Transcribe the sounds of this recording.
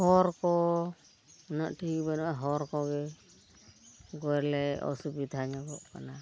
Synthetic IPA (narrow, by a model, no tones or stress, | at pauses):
hɔɾkɔ | naʔʈʰibanɔaɦɔɾkɔɡɛ | ɡɔɛɾlɛɔ̰subid̪ʱaɲaɡɔʔkana